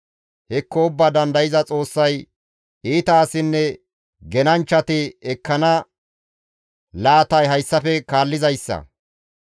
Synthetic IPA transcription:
hɛkːɔʊbːaːd̪ɐnd̪ɐjɪzɐt͡sʼo̞ːsːɐj | iːt̪ɐːsɪnːɛ | ɡɛnɐnt͡ʃːɐt̪ɪɛkːɐnɐ | laːt̪ɐjɦɐjsːɐfɛkaːlːɪzɐjsːɐ̰

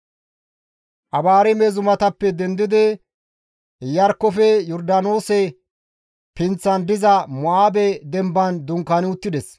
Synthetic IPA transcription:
ʔɐbaːɾɛmezʊmɐt̪ɐpːɛd̪ɛnd̪ɪd̪ɪ | jɐɾkːɔfɛjɔɾd̪ano̞ːsɛ | pɪnt͡sːɐnd̪ɪzɐmʊʔaːbɛd̪ɛmbɐnd̪ʊŋkɐnɪʊt̪ːɪd̪ɛs

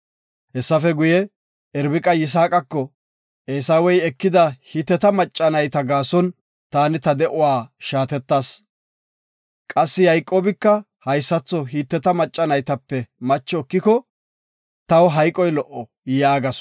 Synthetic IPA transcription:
hɛsːɐfɛɡʊjɛ | ʔɛɾbɪkʼɐjɪs̬aːkʼɐkːɔ | ʔeːsawɔjɛkːɪd̪ɐhit̪ːɛt̪ɐmɐt͡ʃʼːɐnɐjt̪ɐɡaːsɔn | t̪aːnɪt̪ɐd̪ɛʔʊwaːʃaːt̪ɛt̪ːaːs | kʼɐsːɪjɐjkʼːoːbɪkːɐ | hɐjsːɐt͡sːɔɦiːt̪ːɛt̪ɐmɐt͡ʃʼːɐnɐjt̪ɐpːɛmɐt͡ʃːɔːkːɪkɔ | t̪ɐwɦɐjkʼɔjlɔʔɔ | jaːɡɐs

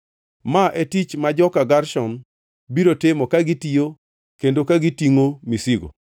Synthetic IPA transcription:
maʔetit͡ʃmad͡ʒɔkaɡarʃɔn | biɾotemokaɡitijo | kendokaɡitiŋomisiɡo̰

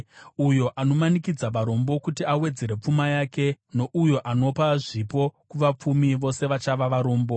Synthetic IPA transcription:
ujo̞ʔano̞manikid͡zaʋaɾo̞mbo̞kutiawe̞d͡ze̞ɾe̞p͡fumajaːke̞no̞ʔujo̞ʔano̞paʐipo̞kuʋap͡fumiʋo̞se̞ʋat͡ʃaʋaʋaɾoːmbo̞

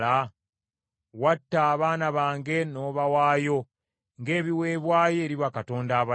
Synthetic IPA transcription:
a | watːaːβaːnaβaːŋɡe̞no̞ːβawaːjo̞ | ŋɡe̞ːβiwe̞ːβwaːje̞ːɾiβakato̞ːndaːβa

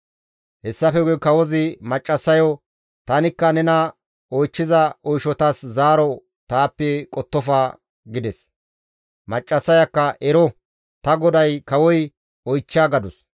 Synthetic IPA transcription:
hɛsːɐfɛɡɔkɐwɔzɪmɐt͡ʃʼːɐsːɐjɔ | t̪ɐnɪkːɐnɛnɐ | ɔjt͡ʃːɪzɐɔjʃɔt̪ɐszaːɾɔ | t̪aːpːɛkʼɔt̪ːɔfaː | ɡɪd̪ɛs | mɐt͡ʃʼːɐsːɐjɐkːɐʔɛɾɔ | t̪ɐɡɔd̪ɐjkɐwɔj | ɔjt͡ʃːaːɡɐd̪ʊs

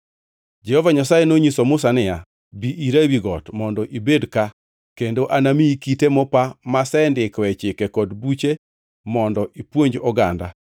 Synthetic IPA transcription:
d͡ʒɛhɔvaɲasajenoɲisomʊsanɪja | biʔiɾawiɡɔtmɔndɔʔibedka | kendoʔanamiikitemɔpamasɛndɪkwɛt͡ʃɪkɛkɔdbut͡ʃe | mɔndɔʔipwoɲd͡ʒɔɡanda̰

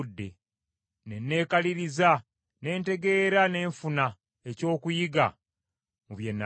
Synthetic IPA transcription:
dːe̞ | ne̞nːe̞ːkaliɾiza | ne̞ːnte̞ɡe̞ːɾane̞ːɱfuna | eco̞ːkujiɡa̰ | muβje̞nːa

